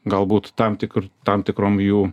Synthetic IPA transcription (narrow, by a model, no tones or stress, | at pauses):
ɡɑlˠbut̪t̪ɑmt̪ʲɪkɾt̪ɑmt̪ɪkɾomju